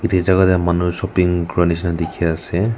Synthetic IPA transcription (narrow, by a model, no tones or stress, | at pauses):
itʰizaɡatɛmanusɔpiŋɡɹɔnis̬nadikʰiasɛ